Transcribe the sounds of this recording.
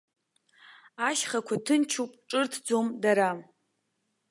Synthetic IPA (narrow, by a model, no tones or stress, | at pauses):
aʃχakʷʰatʰɨnt͡ʃʰupʼʈ͡ʂʼɨrtʰd͡zomdaɾa